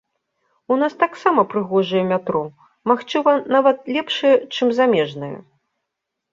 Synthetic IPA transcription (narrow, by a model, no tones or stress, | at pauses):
unast̪aksamɐpɾɨɣɔʐɨjɛmʲat̪ɾɔ | maxt͡ʂɨvɐnavɐt̪̚lʲɛpʂɨjɛt͡ʂɨmzamʲɛʐnɨjɛ̰